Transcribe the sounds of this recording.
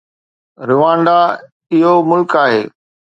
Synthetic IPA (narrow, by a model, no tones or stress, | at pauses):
ɾɪʋãːɳɖa | ɪɦomʊlkaːɦeː